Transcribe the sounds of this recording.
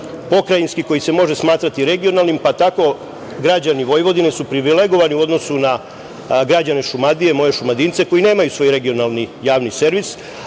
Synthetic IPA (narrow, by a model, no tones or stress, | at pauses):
po̞kɾajinskiko̞jise̞mo̞ʒesmaːt̪ɾat̪iɾe̞ɡio̞nalˠnimpat̪ako̞ | ɡɾad͡ʑaniʋo̞jʋo̞d̪ine̞supɾiʋile̞ɡo̞ʋaniuo̞d̪no̞suna | ɡɾad͡ʑane̞ʃumad̪ije̞mo̞je̞ʃumad̪int̪se̞ko̞jine̞ːmajusʋo̞ːjɾe̞ɡio̞nalˠnijaːʋnise̞ɾʋis